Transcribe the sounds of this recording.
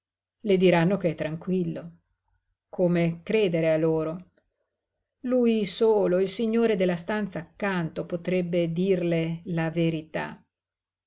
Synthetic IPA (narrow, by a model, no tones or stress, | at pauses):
led̪iɾanːokeɛt̪ːɾaŋkwilːo | kʰomekɾeːd̪eɾealːoːɾo | lujsoːloilsiɲːoːɾed̪elːast̪ant̪saːkːant̪opot̪ɾɛbːed̪iːrlelaveɾit̪a̰